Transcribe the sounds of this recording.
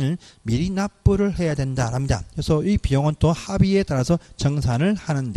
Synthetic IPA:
nɯnmiɾinap͈ɯɾɯɭhe̞jadwe̞ndaɾɦamɲida̰esʰʌipijʌŋʌnt͈ohabie̞t͈aɾasʰʌt͡ɕʌŋsʰanɯɭhanɯnde

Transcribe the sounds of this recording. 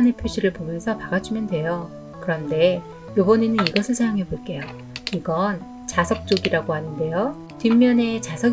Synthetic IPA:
nepʰjuɕʰiɾɯɭpomjʌnsʰʌpaɡad͡ʑʰimjʌndwe̞jo | kɯɾʌnde̞ | jobʌninɯniɡʌsʰɯɭsʰajoŋɦe̞boɭk͈e̞jo | iɡʌn | t͡ɕasʰʌk̚t͡ɕ͈oɡiɾaɡoɦanɯnde̞jo | timːjʌne̞t͡ɕasʰʌ

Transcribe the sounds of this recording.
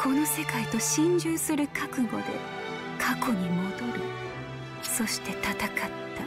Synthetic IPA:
kʰo̞no̞se̞kait̪o̞ɕĩɲ̟d͡ʑɨːsɨɾɯ̟kʰakɯ̟ɡo̞̰d̪e̞̰ | kʰako̞ɲ̟imo̞d̪o̞ɾɯ̟ | so̞ɕi̥t̪e̞t̪at̪akat̪ːa

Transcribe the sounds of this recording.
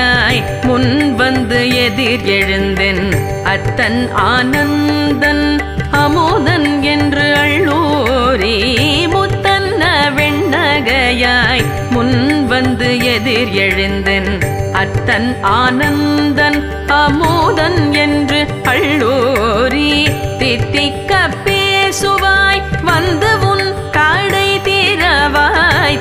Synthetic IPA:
aːj | mʊnʋɐnd̪ɯɛðɪɾɛɻɯnd̪ɛn | ɐt̪ːɐnaːnɐnd̪ɐn | ɐmuðɐnɛndrɯɐɭːuːɾimʊt̪ːɐnːɐʋɛɳːɐɣɐjaːj | mʊnʋɐnd̪ɯɛðɪɾɛɻɯnd̪ɛnɐt̪ːɐnaːnɐnd̪ɐn | ɐmuːðɐnɛndrɯ | ɐɭːuːɾit̪ɪt̪ːikːɐpːesʊʋaːjʋɐnd̪ɯʊn | kaːɽɐɪt̪iːɾɐʋaj

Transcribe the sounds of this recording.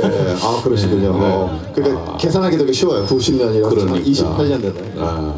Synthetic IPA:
eakɯɾʌɕʰiɡuɲomʌkɯɾik͈a | ke̞sʰanɦaɡedʌɡeɕʰiwʌjotuɕʰimɲʌɲiɾaɾiɕipʰaʎːɲʌndwenda

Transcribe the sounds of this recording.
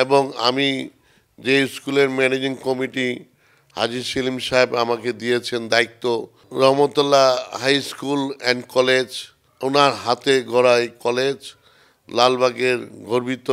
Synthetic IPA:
eboŋa̰mi | d͡ʑeskuleɾmɛned͡ʑiŋkɔmiʈi | ha̰d͡ʑiʃilimʃaebamaked̪iet͡ɕʰend̪ait̪ːo | ɾɔɦmot̪olːahajskulɛnɖkɔled͡ʑ | onaɾɦat̪eɡʱɔɾajkɔled͡ʑ | lalbʱaɡeɾɡʱoɾbit̪ːo

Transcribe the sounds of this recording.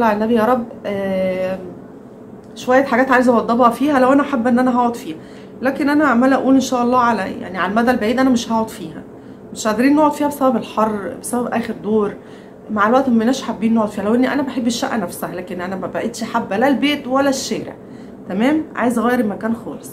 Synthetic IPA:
lɑʕenːæbijɑːɾˤɑbːæ | ʃowæjːæħaɡæːt̪ʕaːjezʔɑwɑd̪ˤːɑbhɑfiːhælæwʔænæʔaħabːʔenːʔænæɦɑʕod̪fiːhæ | læːkenʔænæʔaʕmælʔæʔuːlenʃæːʔɑlˤːɑːʕalæja̰ʕniʕalæmæd̪ælbaʕiːd̪ʔænæmeʃhɑʕod̪fiːhæ̰ | meʃʕaʕd̪ɾiːnːoʕod̪fiːhæbesæbæbelħɑrˤːbesæbæbʔæːxeɾd̪oːɾˤ | maʕelwæʔt̪menæːʃħabːiːnːoʕod̪ˤfiːhælæwʔenːiʔænæbæħebːeʃːæʔːænæfsæhælæːkenʔænæmæbæʔet̪ʃħabːælælbeːt̪wælːæʃːæːɾḛʕ | t̪æmæːmʕa̰ːjezɣæːjeɾʔemækæːnxɑ̰ːlesˤ

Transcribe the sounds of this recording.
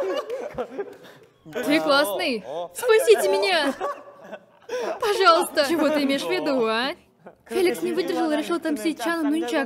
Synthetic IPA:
t̪ejklˠasnɨjspɾasʲitʲɪmʲɪnʲa | pɐʐɑlˠəst̪ət͡ʃɪvot̪ɨɪmʲeʂvʲɪd̪uanʲ | fʲelʲɪksnʲɪvɨd̪ʲɪrʒɨlˠɾʲɪʃlˠt̪amsʲet̪ʲt͡ʃanənunʲt͡ʃa

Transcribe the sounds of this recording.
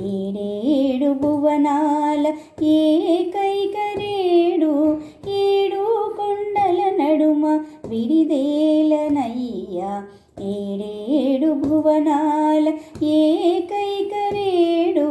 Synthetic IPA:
eːɽeɽubʱuʋɐnaːlɐ | eːkɐjkɐɾeːɽu | eːɽukɔɳɖɐlɐnɐɽumɐʋiɽid̪eːlɐnɐjjːa | eːɽeːɽubʱuʋɐnaːlɐeːkɐjkɐɾeːɽu

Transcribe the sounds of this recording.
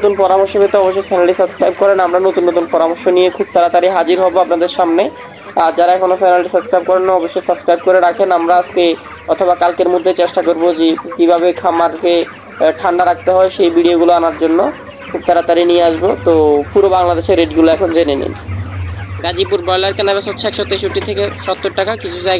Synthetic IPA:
t̪unpɔɾamoɾʃobet̪eɔboʃ̬ːɔjsanaɽisəbskɾajb̚kɔɾenamɾanot̪unːot̪unpɔɾamoɾʃoniekʰub̚t̪aɾat̪aɾiɦad͡ʑiɾɦɔboapnad̪eɾʃamne | aɾd͡ʑaɾaɛkʰonofanaʈisəbskɾajb̚kɔɾenːaɔboʃːɔjsəbskɾajb̚koɾeɾakʰenamɾaaske | ɔt̪ʰoβakalkeɾmod̪ʱːet͡ɕeʃʈakoɾbod͡ʑekibʱaβekʰamaɾke | ʈʰaɳɖaɾak̚t̪eɦɔeʃejbiɖioɡuloanaɾd͡ʑonːo | kʰub̚t̪aɾat̪aɾinieaʃbot̪opuɾobaŋlad̪eʃeɾːeɖɡuloɛkʰond͡ʑenenḭn | ɾad͡ʑipuɾbɔjlaɾkenabeʃɔt̪ʃakʃɔt̪ːeeʃuʈit̪ʰekeʃɔt̪ːoɾʈakakit͡ɕʰud͡ʑajɡa

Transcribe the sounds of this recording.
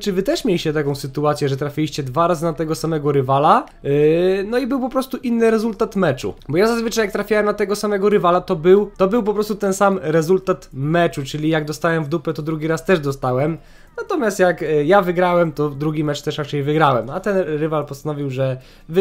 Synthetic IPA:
t͡ʂɨvɘt̪ɛʂmʲjelʲiɕt͡ɕɛt̪akɔ̃w̃sɘt̪uat̪sʲjɛʐɛt̪ɾafʲilʲiɕt͡ɕɛd̪vaɾazɨnat̪ɛɡɔsamɛɡɔɾɘvala | nɔibɘwpɔpɾɔst̪uʔinːɘɾɛzult̪at̪mɛt͡ʂṵbɔjazazvɘt͡ʂajak̚t̪ɾafʲjawɛmnat̪ɛɡɔsamɛɡɔɾɘvalat̪ɔbɘwt̪ɔbɘwp̬ɔpɾɔst̪ut̪ɛnsamɾɛzult̪at̪mɛt͡ʂut͡ʂɘlʲijaɡd̪ɔst̪awɛmvd̪upɛt̪ɔd̪ɾuɡʲiɾast̪ɛʐd̪ɔst̪awɛm | nat̪ɔmʲjast̪jakjavɘɡɾawɛmt̪ɔd̪ɾuɡʲimɛt͡ʂt̪ɛʂɾat͡ʂɛjvɘɡɾawɛmat̪ɛnɾɘvalpɔst̪anɔvʲiwʐɛ | v

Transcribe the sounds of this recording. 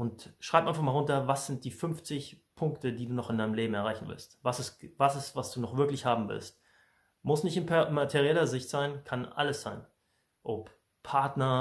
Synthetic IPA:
ʔʊntʃʁ̥aɪpʔaɪnfaχmalʁʊntɐvasz̥ɪnt̚d̥iːfʏnft͡sɪçpʰʊŋktədiːduːnɔχɪndaɪnəmleːbm̩ɛɐaɪçn̩vɪ̰lstvasɪsvasɪstvasd̥uːnɔχv̥ɪɐklɪçhaːbm̩vɪ̰lst̚ | mʊsnɪçtɪnpmatʰeʁiɛlɐzɪçtz̥aɪnkʰanʔa̰ləsz̥aɪn | ʔop | pʰaɐtnɐ

